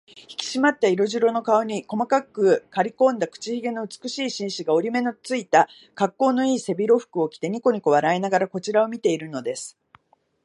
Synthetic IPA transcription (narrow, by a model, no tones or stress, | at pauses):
çi̥kʲi̥ɕimat̪ːaiɾo̞ʑiɾo̞no̞kao̞ɲ̟iko̞makakːɯ̟kaɾʲikõ̞nd̪akɯ̟̥t͡ɕiçiɡe̞no̞ɯ̟t͡sɨ̥kɯɕiːɕĩɰ̃ɕiɡao̞ɾʲime̞no̞t͡sɨit̪a | kakːo̞ːno̞iːse̞bʲiɾo̞ɸɯ̥kɯ̟o̞kʲi̥t̪e̞ɲ̟iko̞ɲ̟iko̞βaɾaenaɡaɾako̞t͡ɕiɾao̞mʲit̪e̞iɾɯ̟no̞d̪e̞sɨ̥